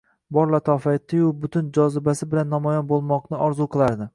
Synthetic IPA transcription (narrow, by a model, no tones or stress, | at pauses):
bɒɾlˠat̪ʰɒfaɪt̪ʰːɪjʊbʊt̪ʰɪnd͡ʒɒzɪbasɪbɪlanːɒmɒjɒnbolˠmɒqnɪʔɒɾzuqʰɨlˠaɾd̪ɪ